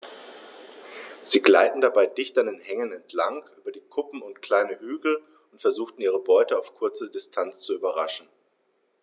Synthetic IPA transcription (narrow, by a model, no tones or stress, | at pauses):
z̥iːɡla̰ɪtn̩dabaɪdɪçtandenhɛŋənɛntʰlaŋʔyːbɐdiːkʰʊpm̩ʊntkl̥aɪnəhyːɡl̩ | ʊntfɛɐzuːxtn̩iːʁ̞əbɔʏtəaʊfkʰʊɐt͡sədɪstʰant͡st͡suyːbɐʁaʃn̩